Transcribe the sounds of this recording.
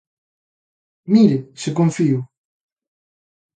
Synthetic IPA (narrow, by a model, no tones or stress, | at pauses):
miɾesekoɱfiu